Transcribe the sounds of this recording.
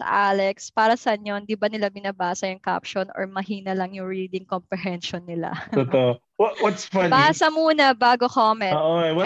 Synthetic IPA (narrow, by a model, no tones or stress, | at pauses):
sɐ̰ʔaːlɛkspaːɾɐsɐʔɐɲjond̪ibɐnɪlabɪnɐbaːsɐjʊŋka̰pʃonʔɔ̰ɹmɐhiːnɐlɐŋjʊŋɹiːd̪ɪŋkompɾɛɦɛnʃɔnːɪla̰t̪ot̪oʔ | wwɔt̪sfɐnpaːɾɐsɐmuːnɐbaːɡokoːmɛnoʔowɐ